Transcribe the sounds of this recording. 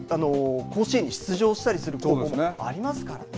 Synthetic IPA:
ano̞kʰo̞ːɕiẽɲ̟ːiɕi̥t͡sɨʑo̞ːɕi̥t̪aɾʲisɨɾɯ̟koːkdoːmoea̰ɾʲimasɨ̥kaɾa̰

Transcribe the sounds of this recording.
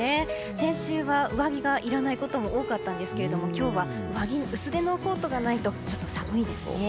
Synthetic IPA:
e | sẽ̞ɕɨːβaɯ̟βaɡʲiɡaʔiɾanaiko̞t̪o̞mo̞ʔoːkat̪ːãnd̪e̞sɨ̥ke̞ɾe̞d̪o̞mo̞kʲo̞ːβa | ɯ̟βaɡʲiɯ̟sɨɾe̞no̞ko̞ːt̪o̞ɡanait̪o̞t͡ɕo̞̥t̪ːo̞samɯ̟id̪e̞sɨ̰e

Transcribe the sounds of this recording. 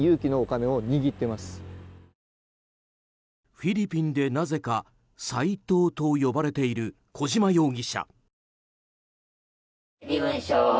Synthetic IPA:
jɯːkʲino̞ːkane̞oɲ̟iɡʲit̪ːe̞masɨ̥ | ɸiɾʲipʲĩnd̪e̞naze̞ka | sait̪o̞ːt̪o̞jo̞baɾe̞t̪e̞iɾɯ̟ | kʰo̞ʑimajo̞ːɡʲiɕa̰ | ɯ̃ɕo

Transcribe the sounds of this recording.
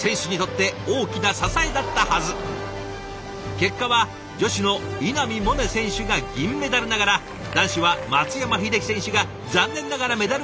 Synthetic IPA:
sẽ̞ɰ̃ɕɨɲ̟it̪o̞t̪ːe̞o̞ːkʲinasasaed̪at̪ːahazɨ | ke̞kːaβa | d͡ʑo̞ɕino̞inamʲimo̞nesẽ̞ɰ̃ɕɨɡaɡʲĩmːe̞d̪aɾɯnaɡaɾa | d̪ãɰ̃ɕɨβamat͡sɨjamaɸʲid̪e̞kʲi̥sẽ̞ɕɨɡa | d͡zãnːẽ̞nːaɡaɾame̞d̪aɾɯ

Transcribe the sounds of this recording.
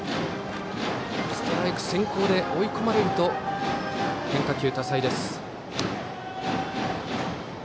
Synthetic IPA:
t͡sɨ̥t̪eɾaekɯ̟̥sẽ̞ŋko̞ːd̪e̞ʔoiko̞maɾe̞ɾɯ̟t̪o̞ | hẽ̞ŋkakʲɨːt̪asaid̪e̞sɨ̥

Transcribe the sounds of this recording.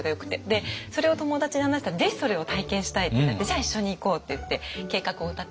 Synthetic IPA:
oɡajo̞kɯ̟̥t̪ːe̞d̪e̞so̞ɾe̞o̞t̪o̞mo̞d̪at͡ɕiɲihanaɕi̥t̪aɾaze̞çʲi̥so̞ɾe̞o̞t̪aikẽ̞ɕi̥t̪ait̪eenat̪ːed͡ʑaːiɕːo̞ɲ̟iːko̞ːt̪ːe̞jɯ̟t̪ːe̞ke̞ːkakɯ̟o̞ɯt̪a

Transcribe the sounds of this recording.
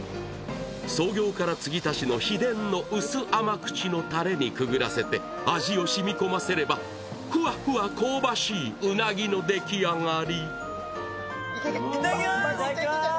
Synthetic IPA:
so̞ːɡʲo̞ːkaɾat͡sɨɡʲit̪aɕino̞çid̪ẽ̞nːo̞ʔɯ̟sɨʔamakɯ̟̥t͡ɕino̞t̪aɾe̞ɲ̟ikɯ̟ɡɯ̟ɾase̞t̪e̞ | aʑio̞ɕimʲiko̞mase̞ɾe̞ba | hɯ̟ahɯako̞ːbaɕiːɯnaɡʲino̞d̪e̞kʲiaŋaɾʲi

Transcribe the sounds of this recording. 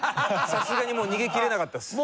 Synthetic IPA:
sasɨɡaɲ̟imo̞ːɲ̟iɡe̞kʲiɾe̞nakat̪ːas

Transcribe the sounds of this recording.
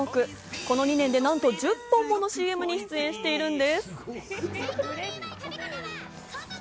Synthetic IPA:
okɯ̟ | ko̞no̞ɲ̟inẽ̞nd̪e̞nãnt̪o̞ʑɨpːõmːo̞noɕiːe̞mɯ̟ɲ̟iɕi̥t͡sɨẽ̞ɰ̃ɕi̥t̪e̞iɾɯ̟̃nd̪e̞sɨ̥

